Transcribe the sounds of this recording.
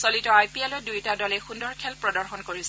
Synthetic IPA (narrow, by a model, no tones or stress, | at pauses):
solitɔajpiɛlɔdujtadɔlɛxundɔɹkʰɛlpɹɔdɔɹxɔnkoɹisɛ